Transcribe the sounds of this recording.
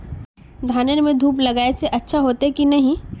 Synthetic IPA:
d̪ʱaːnənmẽd̪ʱuːplɐɡaːeseʔɐtːʃʰaɦoːt̪ekinɐɦĩ

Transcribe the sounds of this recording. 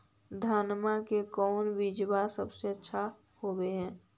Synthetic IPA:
d̪ʱaːnmakekɔːnbid͡ʒbasəbseətːʃʰa | hobeɦɛ̃ː

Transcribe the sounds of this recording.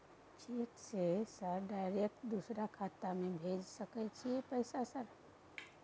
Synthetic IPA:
t͡ʃiksesəɾɖaɪɾek̚ʈd̪usɾakʰat̪amebʱed͡ʒsəkɛt͡ʃʰiepəɪsasəɾ

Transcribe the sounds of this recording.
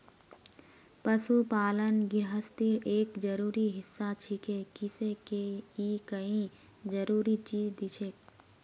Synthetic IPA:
pɐsupaːlənɡɪɾɦəst̪ɪɾeːkd͡ʒɐɾuːɾiɦɪsːat͡ʃʰɪkʰekɪsekeikɐĩ | d͡ʒɐɾuːɾit͡ʃiːzd̪ɪt͡ʃʰek

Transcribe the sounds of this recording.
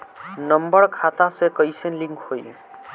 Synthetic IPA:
nəmbəɾkʰat̪asekəjsenliŋkhoj

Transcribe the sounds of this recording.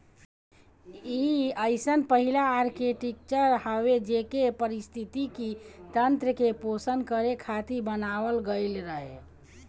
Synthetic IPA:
iəɪsənpəɦilaːɾkeʈikt͡ʃəɾhəʋed͡ʒekepəɾist̪ʰit̪ikit̪ənt̪ɾəkeposənkəɾekʰat̪ibənaʋəlɡəɪlɾəɦe

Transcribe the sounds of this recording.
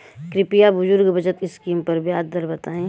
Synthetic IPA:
kɾɪpijabʊd͡ʒʊɾɡbʱɐd͡ʒət̪ɪskiːmpɐɾbjaːd̪d̪əɾbɐt̪aːẽː

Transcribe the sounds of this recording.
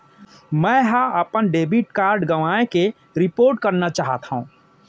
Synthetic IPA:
mɛ̃ːɦə̃əpənɖeːbiʈkaːɾɖɡəʋaːẽke | ɾɪpoːɾʈ̚kəɾnat͡ʃaːɦət̪ṵ̃ː

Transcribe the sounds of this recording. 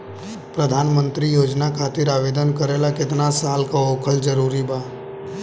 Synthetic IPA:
pɾəd̪ʱaːnmə̃nt̪ɾijoːd͡ʒnakʰaːt̪ɪɾaːʋeːd̪ənkəɾeːlakɪt̪nasaːlkaoːkʰəld͡ʒəɾuːɾibʱaː

